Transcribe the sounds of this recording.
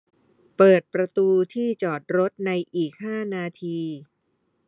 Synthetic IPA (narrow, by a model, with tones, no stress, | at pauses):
pɤː˨˩t̪̚pɾa˧t̪uː˧t̪ʰiː˥˩t͡ɕɔː˨˩t̪̚ɾo˦˥t̪̚na˧jʔiː˨˩k̚haː˥˩naː˧t̪ʰiː˧